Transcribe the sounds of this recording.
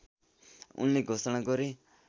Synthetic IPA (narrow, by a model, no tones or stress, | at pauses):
ṵnleɡʱosʌɽ̃aɡʌɾi